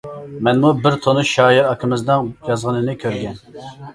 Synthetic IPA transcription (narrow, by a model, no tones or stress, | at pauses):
mɛnmubɪɾt̪ʰonɨʃɑːjiɾɑkʰɪmɪzd̪ɨŋjɑzʁənɨnɨkʲʰøɾɡʲɛn